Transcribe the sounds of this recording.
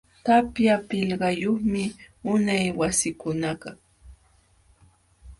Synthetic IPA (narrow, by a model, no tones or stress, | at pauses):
t̪apjapɪʎɢɑjoχmɪʊnajwasɪkʊnɑɢɑ